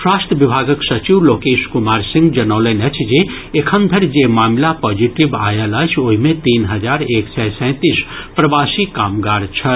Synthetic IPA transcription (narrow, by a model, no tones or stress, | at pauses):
swast̪əbibʱaɡəksɐt͡ʃiwlokeːskumaɾsĩŋɡd͡ʒɐnələnət͡ʃʰd͡ʒe | ekʰənd̪ʱəɾd͡ʒemaːmlapɔd͡ʒiʈiba̰jələt͡ʃʰoɦimet̪iːnɦəd͡ʒaɾeksɛsɛ̃t̪ispɾɐbasikaːmɡaɾt͡ʃʰɐ